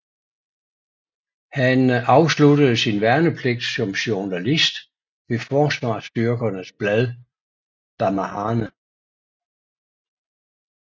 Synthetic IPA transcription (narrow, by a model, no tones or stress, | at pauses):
hænɑ̈ʊsludəð̞̩ˠsinʋæɐnəpʰleɡ̥̚d̥sɒ̽mɕonælisd̥ | ʋe̝fɒːsʋɑ̰̈ːsd̥yɐɡ̥ɐnəsb̥læðˠ | d̥ɑmæhɑːnə